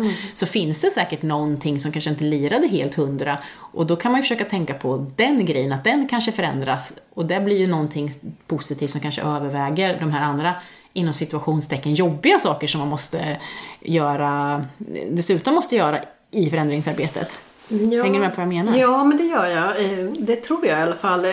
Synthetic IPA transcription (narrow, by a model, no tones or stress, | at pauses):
sɔfɪnsd̪ɛsɛːkəʈnɔnt̪ʰɪŋːsɔmkʰanʂəɪnt̪əliːɾad̪əɦeːlt̪hɵnd̪ɾaʔɔd̪ɔkʰanmanjʏfœ̥ʂøːkat̪ʰɛŋkapʰɔd̪ɛnɡɾɛjːənat̪̚d̪ɛnkʰanʂəfœɾɛ̰nd̪ɾasɔd̪ɛblɪɾjɵnɔnt̪ʰɪŋːpʰʊsɪt̪ʰiːft̪sɔmkanʂə̰ʔøːvəɾvɛːɡəɾɖɔmɦæːɾand̪ɾa | ɪnːɔmsɪt̪ɵaɧuːnst̪ʰɛkːənjɔbːɪɡasɑːkəʂɔmːanmɔst̪əjœːɾa | d̪ɛsʉ̟ːt̪ɔmmːɔst̪əjœːɾa | ɪfœɾɛnd̪ɾɪŋsaɾbeːt̪ə̰t̪ | hɛŋːəɾmɛpʰɔvajameːnaɾɑːmɛnd̪ɛjœːɾjɑd̪ɛt̪ʰɾuːɾjaɪalafalː